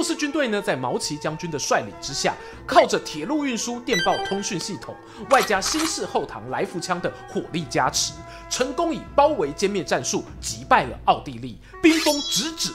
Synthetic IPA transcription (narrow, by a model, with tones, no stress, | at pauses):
u˥˧ʂ̩˥˩t͡ɕy˥nt̪we˥˩ɪnə˩t͡sa˥˩ɪmɑ˧˥ʊt͡ɕʰi˧˥t͡ɕjɑ˥ŋt͡ɕy˥nd̪ə˨ʂwa˥˩ɪlḭ˨˩ŋʈ͡ʂɻ̩˥ɕja̰˥˩ | kʰɑ˥˩ʊʈ͡ʂə˩t̪ʰjɛ˨˩lu˥˧y˥˩nʂu˥t̪jɛ˥˧npɑ˥˩ʊt̪ʰʊ˥ŋɕy˥˧nɕi˥˩t̪ʰʊ˨˩ŋ | wa˥˩ɪt͡ɕja˥ɕi˥nʂɻ̩˥˧xo˥˩ʊt̪ʰɑ̰˧˥ŋla˧˥ɪfu˧˥˩t͡ɕʰjɑ˥ŋd̪ə˨xwɔ˨˩li˥˩t͡ɕja˥ʈ͡ʂ̩ʰ˧˦ | ʈ͡ʂʰə˧˥ŋkʊ˥ŋi˨˩pɑ˥ʊwe˧˥ɪt͡ɕjɛ˥˧nmjɛ˥˧nʈ͡ʂa˥˧nʂu˥˩ | t͡ɕi˧˥pa˥˩ɪlə̰˩ɑ˥˧ʊt̪i˥˧lḭ˥˩ | pi˥ŋfɤ˥ŋʈ͡ʂɻ̩˧˥ʈ͡ʂɻ̩˨˩˦